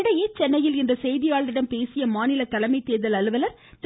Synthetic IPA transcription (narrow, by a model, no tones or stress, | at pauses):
ɽɐjeːt͡ʃɛnːɐjɪlɪndrɐsɛjðɪjaːɭɾɪɽɐmpeːsɪjɐmaːnɪlɐkɐlɐmɐɪt̪ːeːðɐlɐlɯʋɐlɐɾ | t̪